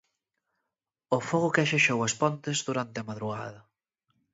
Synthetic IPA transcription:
ofoɣʊkaʃeʃowɐspɔnt̪ezðuɾant̪ɪɐmaðɾuɣa̰ðɐ

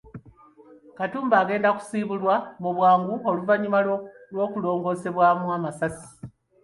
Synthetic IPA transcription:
katuːmbaːɡe̞ːndaku̥siːβulwamuβwaːŋɡuo̞luvaɲimaolwo̞ːkulo̞ːŋɡo̞ːse̞βwamuamasasi̥

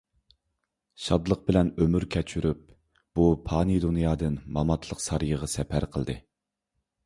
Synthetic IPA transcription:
ʃɑd̪lˠəq̚bɪlɛnømyɾkʲʰɛt͡ʃʰyɾyp̚ | b̥upʰɑːnid̪unjɑːd̪ɨnmɑmɑt̪ʰlˠəqsɑɾjəʁɑsɛpʰæɾqʰəlˠd̪ɨ

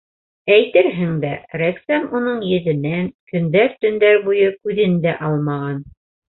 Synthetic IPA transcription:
æjt̪ɘɾɦɘŋd̪æɾæksæmunɤɴjɘ̆ðɘ̆næŋkɵ̆nd̪æɾt̪ɵ̆nd̪æɾbujɤkʉðɘnd̪æʔɑlˠmɑʁɑn

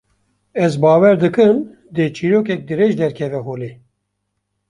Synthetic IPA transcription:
ɛzbaːwɛɾd̪ɨkɨm | d̪et͡ʃʰiːɾoːkɛk̚d̪ɨɾeːʒd̪ɛɾkʰɛvɛɦoːleː

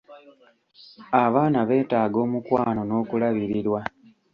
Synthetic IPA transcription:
aβaːnaβe̞ːtaːɡo̞ːmukwaːno̞no̞ːkulaβiɾiɾwa

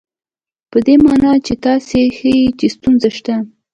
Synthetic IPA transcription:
pəd̪emɑnɑt͡ʃet̪ɑsexəjit͡ʃest̪unzaʃt̪a

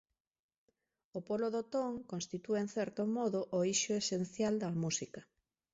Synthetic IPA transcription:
opoloðot̪oŋkõnst̪it̪ueenθɛɾt̪omɔðoʔoiʃoesenθjald̪ɐmusikɐ

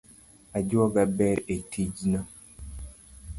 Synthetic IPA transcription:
ad͡ʒuaɡabɛɾetʰid͡ʒna

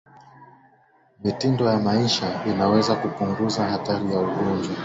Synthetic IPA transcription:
mitindɔjamaiʃainawɛzakupuŋɡuzahataɾijauɠɔnd͡ʒwa

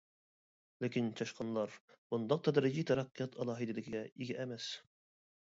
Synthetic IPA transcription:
lɪkʲint͡ʃʰɑʃqʰɑnlˠɑɾb̥und̪ɑq̚t̪ʰɑd̪əɾʒit̪ʰɑɾɑqːjɑt̪ɑlˠɑɦɨd̪ɪlɪkʲɪɡʲɛiɡʲɛʔæmɛs

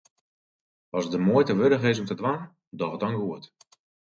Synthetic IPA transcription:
ɔsdəmuəjtəʋødəχɪs̬ɔmtədʋan | dɔχət̚ɔŋɡuət

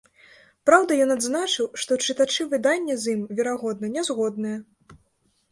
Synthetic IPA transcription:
pɾawd̪ɐjɔnad̪znat͡ʂɨwʂt̪ɔt͡ʂɨt̪at͡ʂɨvɨd̪anʲːɛzʲimvʲɛɾaɣɔd̪nɐnʲɛzɣɔd̪nɐjɛ

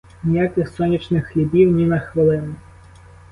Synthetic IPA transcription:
nʲijakɪxsɔnʲːit͡ʃnɪxːlʲibʲiwnʲinɐxʋɐlˠɪnʊ

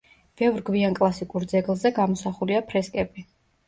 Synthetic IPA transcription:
b̥ɛvɾɡviankʼlˠasikʼuɾd̪zɛɡlˠzɛɡamɔsaχuliapʰɾɛskʼɛbi

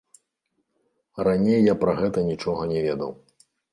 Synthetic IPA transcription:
ranʲejːapɾɐɣɛt̪ɐnʲit͡ʂɔɣɐnʲɛvʲɛd̪ɐ̰w

